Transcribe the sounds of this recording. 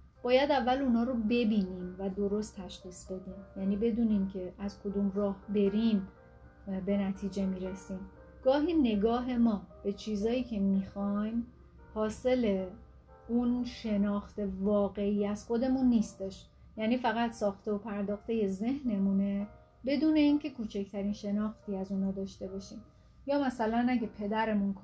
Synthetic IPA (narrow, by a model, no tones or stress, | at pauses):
b̥ɒːjæd̪ævːæluːnɒːɾobe̞biːnimvæd̪o̞ɾo̞st̪ʰːæʃxiːsb̥e̞d̪iːmjæniːbe̞d̪uːnimcʰe̞ʔæzkʰo̞d̪uːmrɒːhbe̞ɾim | be̞næt̪ʰiːd͡ʒe̞miːɾesiːm | ɡ̥ɒːɦiːne̞ɡɒːɦe̞mɒːb̥e̞t͡ʃʰiːzɒːiːcʰe̞mixɒjm | hɒːse̞le̞ | unʃe̞nɒːxt̪e̞vɒːɣe̞iːæz̥xo̞d̪e̞munːiːst̪eʃ | jæːniːfæɣæt̪sɒːxt̪e̞opʰæɾd̪ɒːxt̪e̞je̞ze̞hne̞mune̞ | be̞d̪uːne̞iːncʰe̞kʰuːt͡ʃʰecʰt̪ʰæɾiːnʃe̞nɒːxt̪iːæzuːnɒːd̪ɒːʃt̪e̞bɒːʃiːm | jɒːmæsælænæɟepʰe̞d̪æɾe̞munkʰ